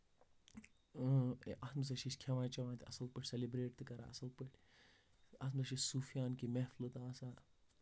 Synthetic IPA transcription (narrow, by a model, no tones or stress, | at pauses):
ʔɐsmɨs̬ɐʃiʃkʰeʋãːnt͡ʃɐʋaːnt̪iɐsɐlpɨʈʰʲselibɾeːʈt̪ɨkɐɾa̰ɐ̰sɐlpɨʈʰʲ | ɐsmɨsɐʃisuːfijaːnkimɛɦflɨt̪aːsaː